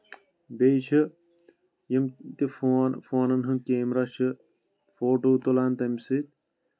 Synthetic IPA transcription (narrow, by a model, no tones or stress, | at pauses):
bet͡ʃʰɨ | jɐmt̪ifoːnfoːnɐnɦɨmkeːmɾɐʃʰɨ | foːʈoːt̪olaːnt̪ɐmsit̪̚